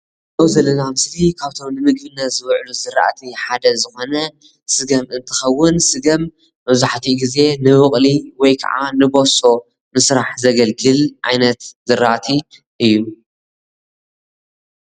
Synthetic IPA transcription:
dowzɐlːɐnamɨslikʰaβt̪ʰo̞mnɨmɨɡ̚bɨnːat̪zɨβʕluzɨɾa̰ʔt̪ʰiħad̪ɐzɨxo̞nɐ | sɨɡɐmɨnt̪ʰɨ̥xɐwːʊnsɨɡɐm | bɐβzuħt̪ʰiɡize̞nɨwɨχʼliwɔjkʰa̰ʕa̰nɨbo̞so̞ | mɨsɾaħzɐɡɐlɡɨlʕa̰jnɐt̪zɨɾa̰ʔt̪ʰi | ʔɨjːu

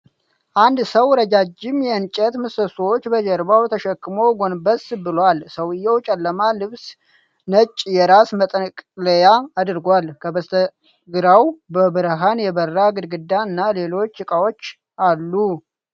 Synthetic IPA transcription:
ʔand̪səwɾəd͡ʒad͡ʒːɪmjɛɨnt͡ʃʼət̪mɨsəswot͡ʃːbəd͡ʒɛɾbawt̪ʰəʃɛkːɨmoɡo̞nbəsbɨlwalsəwɨjːɛwt͡ʃʼɛlːəmalɨβs | nət͡ʃʼːjɛɾasmət̪ʼəkʼləjaːd̪ɾɡʷalkʰəbəst̪ʰə | ɡɨɾawbəbɨɾɦanjɛβərːaɡɨd̪ɡɨd̪aɨnːale̞lo̞t͡ʃːɨkʼawo̞t͡ʃː | alːu

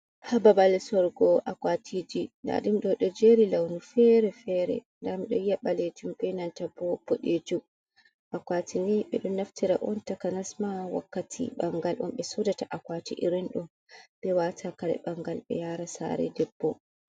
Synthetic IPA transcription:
hababalsɔɾɡɔʔakwatʰid͡ʒina̰ɗimɗɔɗɔd͡ʒeɾilawnufɛɾɛfɛɾɛ̰ndamiɗɔ̰jaɓaled͡ʒumɓɛnantabɔpːɔɗed͡ʒu | ʔakwatʰiniɓɛɗɔmnaftiɾaʔɔntakanasmawa̰kːatʰḭɓaŋɡalʔɔ̰mɓɛsodataʔakwatiʔḭɾɛnɗɔm | ɓ̥ɛwatʰakaɾɛ̰ɓaŋɡalɓɛ̰jaɾasa̰ɾɛ̰dɛbːɔ

